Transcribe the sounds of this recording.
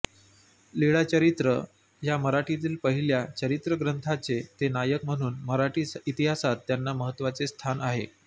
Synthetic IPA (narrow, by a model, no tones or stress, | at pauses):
liɭat͡ɕəɾit̪ɾə | jaməɾaʈit̪̬iːlpəɦiljat͡ɕəɾit̪ɾəɡɾənt̪ʰat͡set̪enajək̚m̤əɽ̃uːnməɾaʈiːit̪iɦasat̪ːjanːaməɦət̪ːʋat͡sest̪ʰanaɦḛ